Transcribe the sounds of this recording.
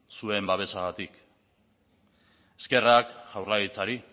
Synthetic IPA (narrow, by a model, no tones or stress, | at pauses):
sue̞mbaβe̞saɣat̪ik | e̞ske̞rakʝawrlaɣit͡saɾi